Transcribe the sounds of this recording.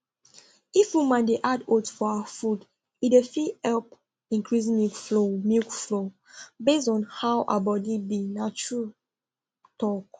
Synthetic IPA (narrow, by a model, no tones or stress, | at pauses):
ifwimãndeʔadotfɔaafud | idefihɛlp̚ | ĩŋkʰɹis̬mikflomikflo | besdɔ̃nhawʔa̰bɔdibinat͡ʃɹu | tɔk̚